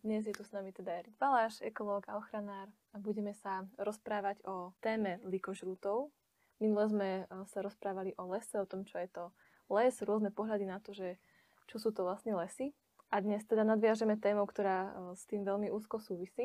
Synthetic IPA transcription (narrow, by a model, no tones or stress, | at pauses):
d̪ɲɛzjɛt̪usnamit̪ɛd̪aɛɾibalaːʃɛkɔlɔːɡaɔxɾanaːɾ | abuɟɛmɛsaɾɔspɾaːʋaɟɔt̪ɛːmɛlikɔʒɾuːt̪ɔʊ | minulɛzmɛsaɾɔspɾaːʋaliʔɔlɛsɛɔt̪ɔmt͡ʃɔjɛt̪ɔ | lɛzɾʊɔznɛpɔɦlad̪inat̪ɔʒɛ | t͡ʃɔsuːt̪ɔʋlasɲɛlɛsi | ʔad̪ɲɛst̪ɛd̪anad̪ʋɪaʒɛmɛt̪ɛːmɔʊkt̪ɔɾaːst̪iːmʋɛlmiʔuːskɔsuːʋisiː